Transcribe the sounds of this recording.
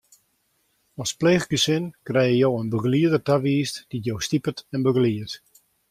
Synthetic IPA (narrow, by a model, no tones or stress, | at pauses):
ɔspleːχɡəsɪnkrɛjjəjowənbəɡəliədətaʋiːstd̥itjowstipətɛnbəɡəliət